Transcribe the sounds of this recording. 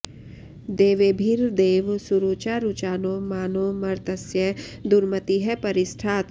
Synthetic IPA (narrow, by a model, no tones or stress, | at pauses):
d̪eːʋebʱiɾd̪eːʋsuɾut͡ʃaɾut͡ʃaːnomaːnoːmɐɾt̪əsjəd̪ʊɾmət̪iɦɛpɐɾɪsʈʰaːt̪